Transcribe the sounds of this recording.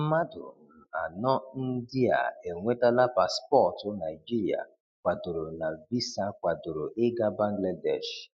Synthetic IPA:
ma˦dʊ̰˨n̩˨a˨nɔ˦n̩˦dɪ˦a̰˨e˨ŋʷe˦ta˦la˦pa˨spɔ˦˨tʊ˦na˨i˨d͡ʒi˦ɾi˨a̰˨ | kʷa˨dʊ˨ɾʊ˨na˨vi˦sa˦kʷa˨dʊ˨ɾʊ˨ʔɪ˦ɡa˦ba˦ŋ˦ɡla˦dɛ̰˦˨ʃ

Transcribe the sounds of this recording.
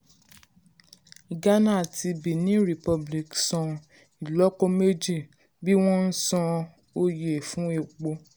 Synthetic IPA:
ɡa˦nã˦˨tʰi˧bi˨nĩ˨˦ɾi˨pɔ˧bli˨ksɔ̃˧ | i˨lɔ˦kɔ˧me˦d͡ʒi˦˨ | bi˦w̃ɔ̃˦n̩˦sɔ̃˧ | o˧je˨fũ˨˦e˨k͡po˧

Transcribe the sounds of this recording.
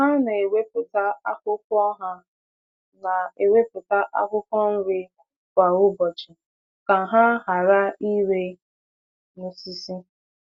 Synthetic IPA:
ɦa˦na˨e˨we˦pʊ˨ta˦a˦kʊ˦kɔ˦ɦa˦ | na˨e˨we˦pʊ˨ta˦ʔa˦kʊ˦kɔ˦n̩˦ɾɪ˦ | kʷa˨ʊ˦bɔ˨t͡ʃɪ˨ | ka˨ɦa˦ɦa˨ɾa˦i˦ɾe˦ | nu˨si˦si˦

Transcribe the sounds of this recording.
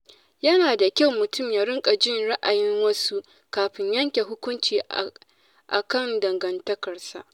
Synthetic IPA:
jɐ˦naː˨da˨kʲa˦wmʊ˨tʊ˦˨mjaː˨ɾɪ˦ŋkʼa˨d͡ʒɪ˦˨nɽa˦ʔa˨jɪ˦ŋwɐ˦su˦ | kaː˨ɸɪ˦ɲjɐ˦ŋkʲe˨ɦʊ˦kʷʊ˦nt͡ʃiː˨ | ʔa̰˨kɐ˦˨ndɐ˨ŋɡɐ˨ntɐ˦kɐ˨rsa̰˨ʔ

